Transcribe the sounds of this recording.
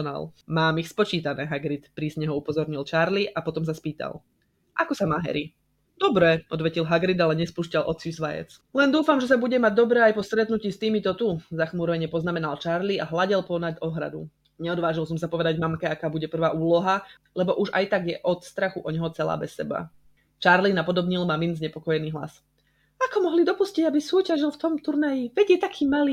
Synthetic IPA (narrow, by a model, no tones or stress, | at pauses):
na̰lmaːmixspɔt͡ʃiːt̪anɛːɦaɡɾit̪pɾiːzɲɛɦɔupɔzɔɾɲilt͡ʃaɾliʔapɔt̪ɔms̬aspiːt̪a̰l | ʔakɔsamaːɦɛ̰ɾi | d̪̥ɔbɾɛʔɔd̪ʋɛcilɦaɡɾid̪alɛɲɛspuːʃcalʔɔ̰t͡siusʋajɛ̰t͡s | lɛnd̪uːfamʒɛs̬abuɟɛmaɟ̚d̪ɔbɾɛːajpɔst̪ɾɛt̪nuciːst̪iːmit̪ɔt̪uzaxmuːɾʋɛɲɛpɔznamɛnalt͡ʃaɾliaɦlaɟɛlpɔnaɟ̪ɔɦɾa̰d̪ṵ | ɲɛɔd̪ʋaːʒilˠsɔmsapɔʋɛd̪aɟvmamkɛakaːbuɟɛpr̩ʋaːʔuːlɔɦa | lɛbɔʔuʒa̰jt̪aɡjɛʔɔt̪st̪ɾaxuʔɔɲɦɔt͡sɛla̰ːbɛsːɛba̰ | t͡ʃaːɾlinapɔd̪ɔbɲilmaminzɲɛpɔkɔjɛniːɦla̰s | akɔmɔɦlid̪ɔpusciɟabisuːcaʒilˠft̪ɔmt̪uɾnajiʋɛɟjɛt̪akʰiːmaliː